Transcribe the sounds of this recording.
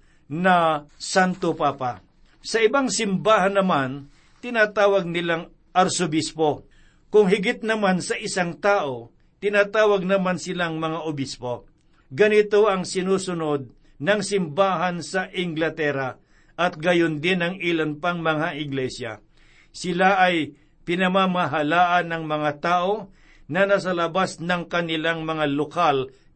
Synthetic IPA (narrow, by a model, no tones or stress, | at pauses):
nɐsant̪opaːpa | sɐʔɪbaŋsɪmbaːɦanːɐman | t̪ɪnaːt̪aːwɐɡ̚nɪlaŋ | ʔɐɾsobɪspo̞ | kʊŋɦɪɡɪt̪̚nɐmansɐʔɪsaŋt̪aːʔo | t̪ɪnaːt̪aːwɐɡ̚nɐmansɪlaŋmɐŋaʔobɪspo̞ | ɡɐnɪt̪oʔɐŋsɪnuːsʊnod̪̚ | nɐŋsɪmbaːɦɐnsɐʔɪŋɡlɐt̪ɛɾɐ | ʔɐt̪̚ɡɐjond̪ɪnɐŋilɐnpɐŋmɐŋaʔɪɡlɛsjɐ̰ | sɪlaʔɐj | pɪnɐmamaɦɐlaːʔɐnɐŋmɐŋat̪aːʔo̞ | nɐnɐs̬ɐlɐbasnɐŋkɐnɪlaŋmɐŋalokal